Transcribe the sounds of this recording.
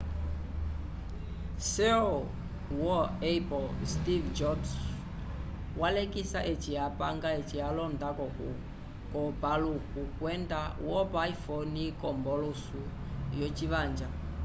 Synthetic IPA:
sɛɔ | wɔɛpɔlstivd͡ʒɔts | walekʼisaʔet͡ʃʼijapʼaŋɡaet͡ʃʼialɔndakɔku | kɔbalukukwɛndawɔbaifonikʼɔmbɔlusu | jot͡ʃʼiβaːnd͡ʒa

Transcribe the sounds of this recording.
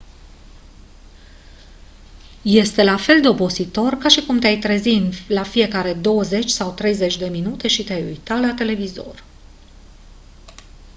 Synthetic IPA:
je̞st̪e̞lafe̞ld̪e̞o̞po̞zit̪o̞rkaʃikumt̪eajt̪ɾe̞zinlafije̞kaɾe̞d̪o̞wəze̞t͡ʃʲsawt̪ɾe̞jze̞t͡ʃʲd̪e̞minut̪e̞ʃit̪eajṵjt̪alat̪e̞le̞vizo̞̰r

